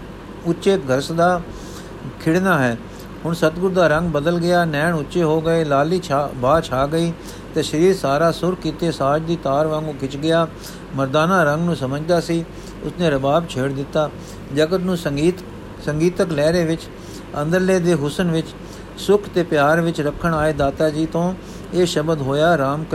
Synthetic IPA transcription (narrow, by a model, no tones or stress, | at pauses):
ʊʃeːt̪ɡʱəɾsd̪aː | kʰɪɽnaːɦɛː | hʊɳsət̪ɡʊɾd̪aːɾə̃ŋɡ̚bəd̪əlɡɪjaːnɛːɳʊtːʃeːɦoːɡəeːlaːliːbaːt͡ʃʰaːɡəiː | t̪eːʃəɾiːɾsaːɾaːsʊɾkkːiːt̪eːsaːd͡ʒd̪iːt̪aːɾʋãːŋɡũːkɪt͡ʃɡɪjaː | məɾd̪aːnãːɾəŋɡnũːsəməd͡ʒd̪aːsiː | ʊ̰snẽːɾəbaːbt͡ʃʰeːɽd̪ɪt̪ːaː | d͡ʒəkət̪nũː | səŋɡiːt̪əklɛːɾeːʋɪt͡ʃ | ə̃nd̪əɾleːd̪eːɦʊsənʋɪt͡ʃ | sʊkʰt̪eːpjaːɾʋɪt͡ʃɾəkʰːəɳaːeːd̪aːt̪aːd͡ʒiːt̪õː | eːʃəbəd̪ɦoːjaːɾaːmkə